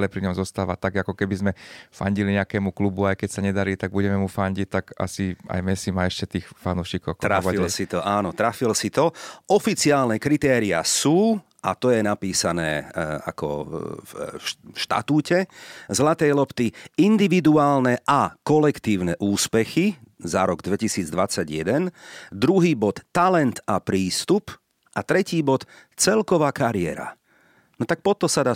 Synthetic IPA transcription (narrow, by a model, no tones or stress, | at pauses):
lɛpɾiɲɔmzɔst̪aːʋat̪aɡakɔkɛbizmɛfa̰ɲɟiliɲɛakɛːmuklubuajkɛcsaɲɛd̪aɾiːt̪aɡ̚buɟɛmɛmufaɲɟict̪aka̰sia̰jmɛsimaɛʃcɛt̪iːxfanuːʃiːkɔʊk̪ɾailsit̪ɔʔaːnɔt̪ɾafilsit̪ɔɔfit͡siaːlnɛkɾit̪ɛːɾia̰suː | ʔa̰t̪ɔjɛnapiːsanɛ̰ːa̰kɔ̰fʃt̪a̰t̪uːcɛzlat̪ɛjlɔpt̪iind̪iʋid̪uaːlnɛʔakɔlɛkt̪iːʊnɛʔuːspɛxizaɾɔɡd̪ʋɛcisiːd͡zd̪ʋat͡saɟjɛd̪ɛnd̪ɾuɦiːbɔt̪ːalɛnt̪apɾiːst̪up | ʔat̪ɾɛciːbɔt̪t͡sɛlkɔʋaːkaɾɪɛ̰ɾa̰ | nɔt̪ak̚pɔt̪ɔsad̪aː